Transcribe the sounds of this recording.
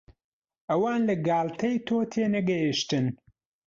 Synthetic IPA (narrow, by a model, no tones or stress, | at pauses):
ʔɐwaːnlɐɡaːlt̪ʰɐjt̪ʰoːt̪ʰeːnɐɡɐjiʃt̪ɨn